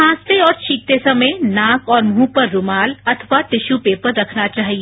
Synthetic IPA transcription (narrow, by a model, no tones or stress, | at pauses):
ãːst̪eɔːɾt͡ʃʰiːk̚t̪esɐmə̃nãːkɔːɾmɦũːpɐɾːʊmaːlɐt̪ʰəʋat̪ɪʃupeːpəɾːɐkʰnat͡ʃaːɦie